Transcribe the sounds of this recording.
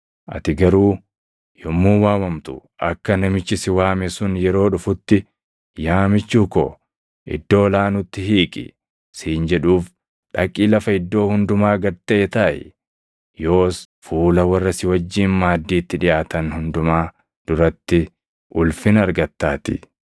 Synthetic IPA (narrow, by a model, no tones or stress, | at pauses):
ʔɐ̰t̪ɪɡɐɾuː | jɔmːuːwaːwɐmt̪ʊ̰ʔɐkːɐnɐmɪt͡ʃːɪsɪwaːmɛsʊnjɛɾo̞ːᶑʊfʊt̪ːɪ | jaːmɪt͡ʃːuːko̰ː | ʔɪ̰d̪ːo̞ːlaːnʊt̪ːɪhiːkʼɪ̰ | siːnd͡ʒɛᶑuːf | ᶑɐkʼːiːlɐfɐɪd̪ːo̞ːhʊnd̪ʊmaːɡɐɾt̪ɐʔeːt̪ɐːʔɛ̰ | joːs | fuːlɐwɐrːɐsɪwɐd͡ʒːiːnmaːd̪ːiːt̪ːɪᶑɪjaːt̪ɐnhʊnd̪ʊmaː | d̪̥ʊɾɐt̪ːɪ | ʔʊlfɪnɐɾɡɐt̪ːaːt̪ɪ̰